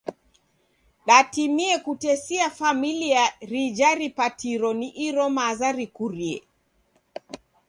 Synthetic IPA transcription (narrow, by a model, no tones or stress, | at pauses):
ɗatimiɛkutɛsiafamiliaɾid͡ʒaɾipatiɾɔniʔiɾɔmazaɾikuɾiɛ̰